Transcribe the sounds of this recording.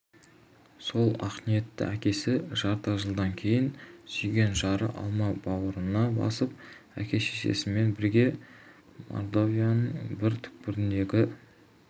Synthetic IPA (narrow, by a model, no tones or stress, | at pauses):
so̞lˠɑqnije̞t̪ːɪ̰ækʲe̞sɪʒɑɾt̪əʒəlˠd̪ɑŋkʲʰe̞jɪnʒ̥ijɡʲe̞nʒɑɾə̰ʔɑ̰lˠmɑbɑwəɾənɑbɑ̰səp̚ | æ̰kʲʰe̞ʃeʃḛsɪme̞nbɪɾɡʲe̞ | mo̰ɾd̪ovijanəɴbɪɾt̪ʰʏ̥k̚pɪɾɪnd̪e̞ɡʲɪ